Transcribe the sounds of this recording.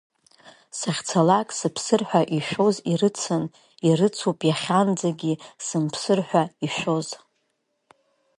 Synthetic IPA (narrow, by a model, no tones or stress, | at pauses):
saχʲt͡sʰalakʼsɨpʰsɨrħʷᶣaʔiʃʷᶣo̞ziɾɨt͡sʰɨn | irɨt͡sʰupʼjaχʲand͡zaɡʲisɨmpʰsɨrħᶣʷaiʃᶣʷo̞z